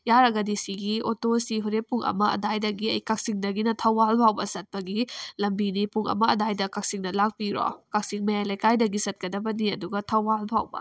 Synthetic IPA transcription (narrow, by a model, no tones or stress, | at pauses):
jaɾɐɡɐdisiɡiotosiɦuɾepːuŋʔɐ̰mɐɐ̰dajdɐɡiɐjkɐk̚siŋdɐɡinɐtʰɐwbalbʰʱawbɐsɐt̚pɐɡilɐmbinipuŋɐ̰mɐɐdajdɐkɐk̚siŋnɐlak̚piɾo̰kɐk̚siŋmɐjajlɐjkajdɐɡisɐt̚kɐdɐbɐniɐduɡɐtʰɐwalbʰʱawbɐ̰